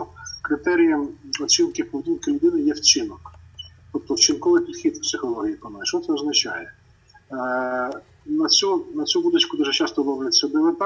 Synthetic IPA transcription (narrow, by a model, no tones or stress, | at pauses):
kɾɪt̪ɛɾʲijɐɔt͡ʃʲinkɪwpɔʋʲdʲinkɪlʲʊd̪ɪnɪjɛwt͡ʃɪnɔkt̪ɔp̚t̪ɔwt͡ʃɪnkɔʋɪjpʲid̪̥xʲid̪psɪxɔlˠɔɦʲijipɔnaʃɔt̪sɛɔznɐt͡ʃɑjɛ | nɐt͡sʲunɐt͡sʲubud̪ɐt͡ʃkʊd̪uʒɛt͡ʃɑst̪ɔmɔʋlʲt͡sʲːɐɔb̪ɪʋɪt̪